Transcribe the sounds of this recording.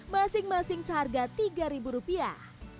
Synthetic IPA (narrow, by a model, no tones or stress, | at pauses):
masɪŋmasɪŋsəɦarɡat̪iɡaɾibuɾupia̰h